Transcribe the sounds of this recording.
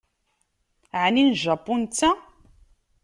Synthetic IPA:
ʕninʒapːunt͡sːa

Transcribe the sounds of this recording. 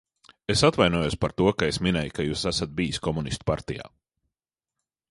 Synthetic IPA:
esat̪vajnuɔjospaɾt̪uɔkaesminɛjkajuːsæsat̪̚bijiskɔmunist̪u̥paɾt̪ija̰ː

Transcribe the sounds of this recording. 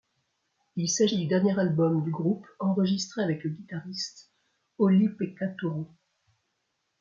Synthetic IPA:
ilsaʒid̪yd̪ɛʁnjeʁalbɔmd̪yɡʁupɑ̃ʁəʒist̪χeavɛkləɡʲit̪aʁist̪ | ɔlipekat̪uʁo

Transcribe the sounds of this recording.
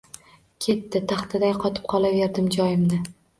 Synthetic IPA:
kʲʰe̞t̪ːɪt̪ʰɑχt̪ʰɪd̪ajqʰɒt̪ʰɪ̥p̚qʰɒlˠave̞ɾd̪ɪmd͡ʒɒjɪmnɪ

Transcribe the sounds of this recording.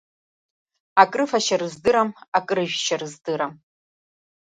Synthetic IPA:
akʼrɨfɐʃɐrɨzdɨɾɐmakʼrɨʒᶣʃɐrɨzdɨɾam

